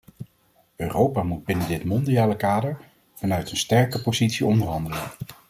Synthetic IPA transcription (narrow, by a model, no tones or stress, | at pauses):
øːrowpaːmud̚bɪnədɪtmɔndiaːləkaːdəɹ | v̥ɑnœɥtənstɛɹkəpozitsiɔndəɹɦɑndələn